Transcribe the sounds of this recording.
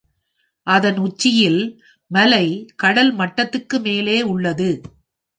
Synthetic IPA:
ʔɐðɐnʊt͡ʃːɪjɪl | mɐlɐɪkɐɽɐlmɐʈːɐt̪ːɯkːɯmeːleːʊɭːɐðɯ

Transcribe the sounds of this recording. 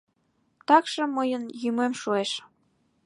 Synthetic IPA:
t̪ɑkʃɤ̆məjənjymemʃueʃ

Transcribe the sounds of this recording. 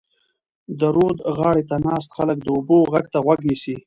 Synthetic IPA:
d̪əɾod̪ɣɑːɽet̪anɑːst̪xalək̚d̪əoboɣaɡ̚t̪aɣwaɡnisi

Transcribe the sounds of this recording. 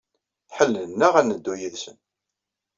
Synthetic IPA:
ħəlːnːæʁænəd̪ːujiðsə̰n

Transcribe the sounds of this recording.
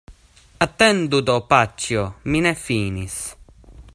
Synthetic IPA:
at̪ːɛnd̪ud̪ɔpat͡ʃːjɔminɛfːiːnis

